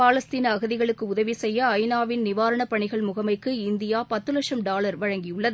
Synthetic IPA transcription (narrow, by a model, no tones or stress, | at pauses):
paːlɐst̪iːnɐːɣɐðɪɣɐɭɯkːɯʊðɐʋisɛjːɐːɪnaːʋɪnnɪʋaːɾɐɳɐpɐɳɪɣɐɭmʊɣɐmɐɪkːɯɪnd̪ɪjaːpɐt̪ːɯlɐkʂɐmɖaːlɐɾʋɐɻɐŋɡɪjɯɭːɐðɯ